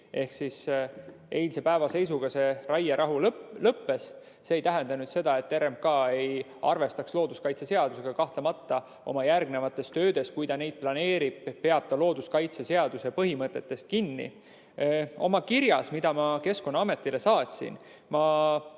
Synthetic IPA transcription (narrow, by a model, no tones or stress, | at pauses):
ʔe̞hksis | e̞jlse̞pæevɑse̞js̬uɡ̥ɑse̞rɑjeɾʔɑɦullɤpːe̞sː | e̞ːjt̪æɦend̪̥ɑnyd̪̥se̞d̪̥ɑe̞t̪ːeɾemkɑːe̞j | ɑ̰rve̞st̪ɑkslo̞ːd̪̥uskɑjt̪sese̞ɑd̪use̞ɡ̥ɑkɑht̪lɑmɑt̪ːɑ | o̞̰mɑjærɡ̚ne̞vɑt̪ːˑe̞st̪ø̞ːd̪̥e̞skujd̪̥ɑne̞jd̪̥̚plɑne̞ːɾib̥pe̞ɑb̥̚t̪ɑlo̞ːd̪̥uskɑjt̪sese̞ɑd̪̥use̞pɤɦimɤt̪ːˑe̞t̪ːe̞st̪̚kinːḭ | o̞̰mɑkiɾjɑsmid̪̥ɑmɑke̞sko̞nːɑɑme̞t̪ˑːile̞sɑːt̪ʲsḭn | mɑ